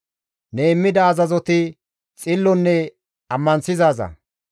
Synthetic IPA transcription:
nemːɪd̪ɐːzɐzɔt̪ɪ | t͡sʼɪlːɔnːɛ | ɐmːɐnsɪzaːzɐ̰

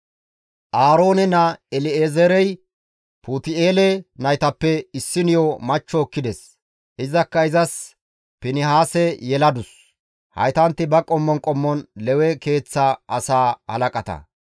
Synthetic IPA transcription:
ʔaːɾo̞ːnɛnɐɛlɪeːzɛɾɛj | puːt̪ɪeːlɛnɐjt̪ɐpːɛɪsːɪnɪjɔmɐt͡ʃːɔːkːɪd̪ɛs | ʔɪzɐkːɐɪzɐs | pɪnɪhaːsɛjɛlɐd̪ʊs | hɐ̰jt̪ɐnt̪ːɪbɐkʼɔmːɔnkʼɔmːɔnlɛwɛke̞ːt͡sːaʔɐsaːhɐ̰lɐkʼɐt̪ɐ̰

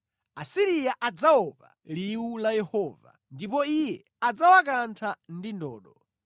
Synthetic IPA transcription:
asiɾijaʔad͡zaɔpa̰liwulajɛhɔːva̰ndip̬ɔijɛ | ad͡zawak̬antʰandindɔ̰ːɗɔ

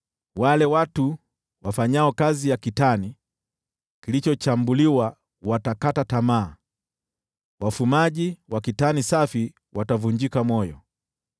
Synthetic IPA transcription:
walɛwatu | wafaɲaɔkazijakitani | kilit͡ʃɔt͡ʃambuliwa | watakatatamaː | wafumaʄiwakitanisafi | watavuɲd͡ʒikamɔjɔ̰

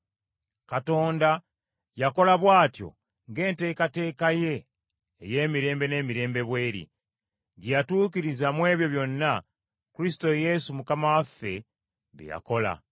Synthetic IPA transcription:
kato̞ːnda | jako̞laβwaːtjo̞̰ | ŋɡe̞ːnte̞ːkate̞ːkaje̞ː | je̞ːmiɾe̞ːmbe̞ne̞ːmiɾe̞ːmbe̞βwe̞ːɾḭ | ɟijatuːkiɾizamwe̞ːβjo̞βjo̞nːa | kuɾisto̞je̞sumukamawafːe̞ | βḛja̰ko̞la̰

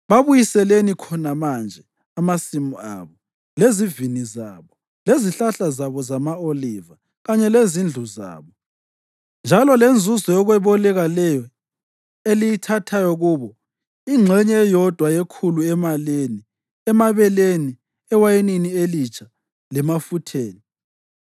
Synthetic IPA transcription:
βaβujisɛlenikʰɔnamand͡ʒʱɛ | amasimua̰βɔ | leziviniza̰βɔ | leziɬaɬazaβɔzamaoliva | ɣaɲɛlezind͡ɮʱuza̰ːβɔ | nd͡ʒʱalɔlend͡zʱuzɔjɔɣwɛβɔlɛɣalɛjɔ | elijitʰatʰajɔɣuːβɔ | iŋ͡ǁʱɛɲɛjɔd̥ʱwajekʰuluɛmaleni | ɛmaβɛleni | ɛwajeninielit͡ʃʰʼa | lɛmafutʰeːni

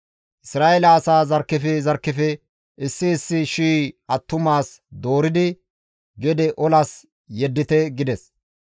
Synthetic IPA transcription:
ʔɪsɾaːʔelɐːsaːzɐɾkːɪfɛzɐɾkːɪfɛ | ʔɪsːɪːsːɪʃiːɐt̪ːʊmaːs | d̪o̞ːɾɪd̪ɪ | ɡɛd̪ɛʔɔlas | jɛd̪ːɪt̪ɛɡɪd̪ɛs

